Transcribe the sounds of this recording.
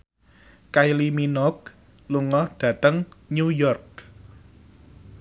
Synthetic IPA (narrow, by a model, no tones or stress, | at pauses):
kajliminɔk̚ | luŋɔhɖ̥ä̤t̪əŋɲujɔrk̚